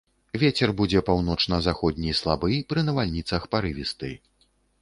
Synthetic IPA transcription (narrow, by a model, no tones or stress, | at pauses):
vʲet͡sʲɛrbud͡zʲɛpawn̪ɔt͡ʂnɐzaxɔd̪ʲnʲijslˠabɨjpɾɨnɐvalʲnʲit̪sɐxpaɾɨvʲist̪ɨ̰